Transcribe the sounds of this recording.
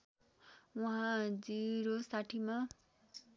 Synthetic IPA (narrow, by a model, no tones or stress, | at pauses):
uɦãd͡ziɾosaʈʰima